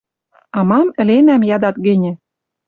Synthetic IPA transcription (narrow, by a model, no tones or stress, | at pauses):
ɑmɑmɘ̆lenæmjɑd̪ɑt̪ɡɘ̆nʲɘ̆